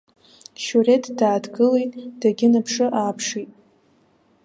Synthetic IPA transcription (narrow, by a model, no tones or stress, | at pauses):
ʃure̞tʰdaːdɡɨlejtʼd̥aɡʲɪnapʰʂɨʔaːpʰʂitʼ